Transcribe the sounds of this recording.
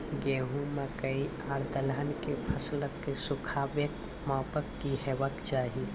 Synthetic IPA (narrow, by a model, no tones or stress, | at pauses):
ɡeːɦũmakəi | aːɽd̪əlɦənkepʰɐsləkːesʊkʰaːʋjək | maːpəkːihɛʋəkd͡ʒaːɦi